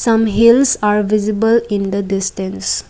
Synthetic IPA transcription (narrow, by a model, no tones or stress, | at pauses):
sʌ̃mɦilsaɾʋizibəlĩnd̪ədisʈə̃ns